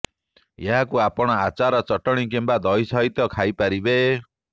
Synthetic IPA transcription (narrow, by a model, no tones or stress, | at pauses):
jeɦakuapɔɽ̃ɔat͡ʃaɾɔt͡ʃɔʈɔɽ̃ik̬embad̪ʱɔjsʌɦit̪ɔkʰajpaɾibe